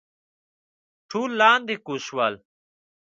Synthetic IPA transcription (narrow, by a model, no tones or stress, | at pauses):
ʈʰuːlːaːnd̪ikuswaːl